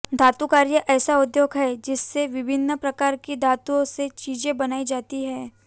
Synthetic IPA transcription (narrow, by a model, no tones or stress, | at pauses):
d̪ʱaːt̪ukaːɾjəʔɛːsaʊd̪joːɡɦɛːd͡ʒɪsːeʋɪbʱɪnːpɾɐkaːɾkid̪ʱaːt̪uõset͡ʃiːd͡ʒẽbɐnaːid͡ʒaːt̪iɦɛː